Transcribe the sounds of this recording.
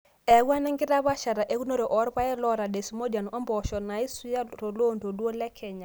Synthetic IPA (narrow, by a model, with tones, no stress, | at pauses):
ɛ˨˦ɡwa˦nɛ˦ŋɡɪ˦ɾa˦βa˦ʃa˨ɾa˨ʔe˦ɡu˦no˦ɾe˨ʔɔ˨˦ɾpa˦ɛ˦lɔ˦ɾa˨de˨smo˦d͡ʒa˨nɔ˦mbɔ˨ʃɔ˨na˨˦i˦su˦ja˦ɾo˨lo˦ndo˨du˦o˦lɛ˦kʰɛ˨ɲa˨